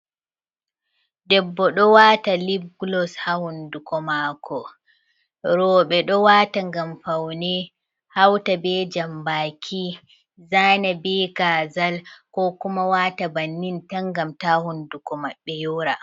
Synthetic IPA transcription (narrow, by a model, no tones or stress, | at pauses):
dɛbːɔɗɔwaːtalibɡlɔshahundukɔmakʰɔ | ɾɔɓɛɗɔwataŋɡamfawnɛ | hawtabɛd͡ʒambaːkʰi | zaːnabɛɡazalkɔkumawaːtabanːintaŋɡamtahundukɔmaɓːɛjɔːɾa